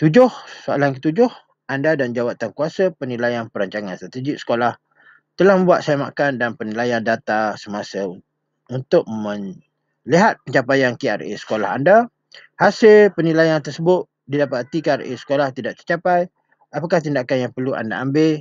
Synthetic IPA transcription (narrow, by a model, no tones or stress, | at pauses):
t̪ud͡ʒʊhsoa̰lankət̪ud͡ʒʊh | ʔandadand͡ʒawat̪ankuasəpənilajanpəɾaɲt͡ʃaŋanst̪ɾat̪ed͡ʒɪk̚sə̥kolah | t̪əlahmə̃mbuat̪̚saamakandanpənilajandat̪asəmasə | unt̪ʊk̚mə̃ŋ | liɦat̪̚pəɲt͡ʃapajankea̰rḛsə̥kola̰ɦa̰nda | hasɪlpənilajant̪ərsəbʊt̪̚ | didapat̪ikearḛsə̥kolaht̪idaʔ̚t̪ə̥rt͡ʃapaj | apakaht̪indakanjaŋpərluʔa̰nda̰ambel